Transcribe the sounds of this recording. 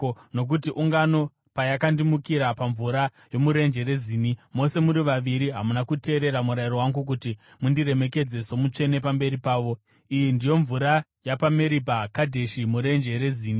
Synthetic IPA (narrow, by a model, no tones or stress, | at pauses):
no̞k̬utiʔuŋɡano̞ | pajakandimukiɾapaɱvuɾa | jo̞muɾe̞nd͡ʒe̞ɾe̞ziːnimo̞se̞muɾiʋaʋiɾiɦamunakute̞ːɾe̞ɾamuɾairowaŋɡuk̬uti | mundire̞me̞ke̞d͡ze̞so̞mut͡ʃe̞ne̞pambe̞ɾipaːʋo̞ | ijindijo̞ɱvuɾa | japame̞ɾipakadʱe̞ʃimuɾe̞nd͡ʒe̞ɾe̞ziːni